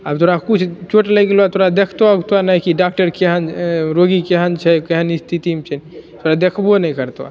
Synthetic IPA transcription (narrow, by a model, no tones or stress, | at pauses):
abt̪oɾakut͡ʃʰt͡ʃoʈləjɡeloat̪oɾad̪ekʰt̪oaɡt̪anaikiɖak̚ʈəɾkeɦənɾoɡikeɦənt͡ʃʰɛkeɦənist̪ʰit̪imt͡ʃʰɛnit̪ʰoɾad̪ekʰbonəikəɾt̪wa̰